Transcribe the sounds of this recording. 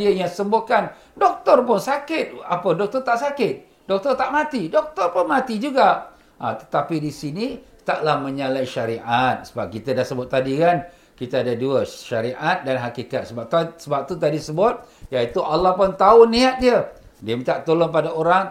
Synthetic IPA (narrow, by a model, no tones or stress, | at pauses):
iəjaŋsəmbokan | dɔk̚t̪ɔrpʊnsakɪt̪̚apədɔk̚t̪ɔrt̪aʔsakɪt̪̚ | dɔk̚t̪ɔrt̪aʔmat̪idɔk̚t̪ɔrpʊnmat̪id͡ʒuɡa | at̪ə̥t̪apidisini | t̪aʔlahməɲalajʃaɾiʔat̪̚sə̥bap̚kit̪adahsəbʊt̪̚ːadikan | kit̪aadaduəʃaɾiʔat̪̚danɦakikat̪̚səbap̚t̪asəbap̚t̪ut̪adisəbʊt̪̚jait̪uʔalahpʊnt̪aʊnːiat̪̚diədiəmit̪aʔt̪olɔŋpadaoɾaŋ